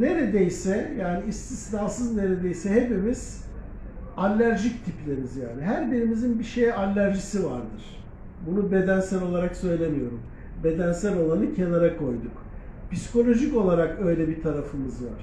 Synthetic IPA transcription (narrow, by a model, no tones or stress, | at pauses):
ne̞ɾe̞d̪ejsɛjaːniːst̪ʰislʲaːsɯzne̞ɾed̪e̞jsɛhepimiz̥ | alʲːæɾʒict̪ʰiplʲeɾimizja̰ːniɦæɾbiɾimizinbiʃejalʲːæɾʒisiva̰ɾd̪ɯɾ̥ | bunube̞d̪ænsælo̞lˠaɾaksø̞jlʲe̞mijo̞ɾum | be̞d̪ænsælo̞lˠanɯcʰe̞naɾakʰo̞jd̪uk | pisi̥ko̞lʲo̞ʒico̞lˠaɾakø̞jlʲɛbit̪ʰaɾafɯmɯzva̰ɾ̥